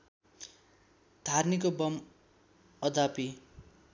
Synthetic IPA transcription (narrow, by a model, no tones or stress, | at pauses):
d̪ʱarnikobʌm | ʌd̪ʱapi